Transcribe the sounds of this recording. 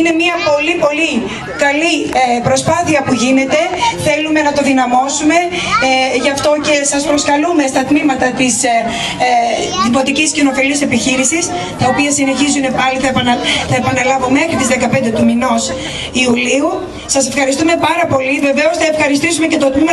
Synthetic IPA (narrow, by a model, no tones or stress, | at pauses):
ine̞miɐpo̞lipo̞li | kɐlipɾo̞spɐθiɐpuʝine̞t̪e̞θe̞lume̞nɐt̪o̞ðinɐmo̞sume̞ | ʝɐft̪o̞ce̞sɐspɾo̞skɐlume̞st̪ɐt̪mimɐt̪ɐt̪is | ðimo̞t̪iciscino̞filiɐse̞piçiɾisis | t̪ɐo̞piɐsine̞çizune̞pɐliθɐθɐepɐnɐlɐvome̞xɾit̪izðekɐpend̪e̞t̪umino̞s | iuliu | sɐse̞fxɐɾist̪ume̞pɐɾɐpo̞live̞veo̞sθɐe̞fxɐɾist̪isume̞ce̞t̪o̞t̪mim